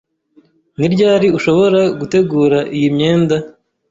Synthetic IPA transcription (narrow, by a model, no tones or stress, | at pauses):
niɾɟaːɾiuʃo̞βo̞ɾaɡute̞ɡuːɾaʔijimɲe̞ːnda